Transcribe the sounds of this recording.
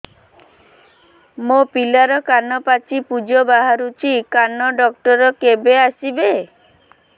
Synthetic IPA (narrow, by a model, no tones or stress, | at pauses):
mopilaɾɔkanɔpat͡ʃipud͡ʒɔbaɦaɾut͡ʃikanɔɖɔk̚ʈɔɾɔkebeasibe